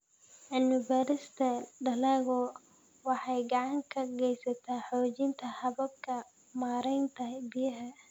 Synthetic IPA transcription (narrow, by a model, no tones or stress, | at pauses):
ʔɪnʊvɛɾɪst̪ʰɐɖɐlɛːɣɔ | wɑħɑjɡɑʕɑŋkʰɐɡɛjsɐt̪ʰaːħɔːt͡ʃɪnt̪ʰɐhɐβɐb̚kʰɐ | maːɾɛjnt̪ʰɐbɪjɐɦɐ